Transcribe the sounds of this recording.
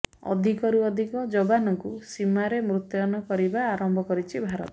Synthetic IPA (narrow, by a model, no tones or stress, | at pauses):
ɔ̰d̪ʱikɔɾuɔd̪ʱikɔd͡ʒɔbanɔkusimaɾemɾut̪jɔnɔkɔɾibaːɾɔmbʱɔkɔɾit͡ʃʰibʱaɾɔt̪ɔ